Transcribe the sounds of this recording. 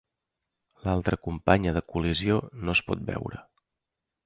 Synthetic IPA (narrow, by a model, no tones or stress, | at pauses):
lalˠt̪ɾəkumpaɲəðəkulizionospɔ̰t̪̚bɛ̰wɾə̰